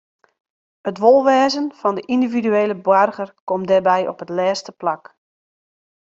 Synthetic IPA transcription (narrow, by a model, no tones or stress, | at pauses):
ətʋolˠʋɛːzənfɑndəʔindividyeːləbwarɣərkɔmdɛrbɛjɔ̰pɦətlɛːstəplak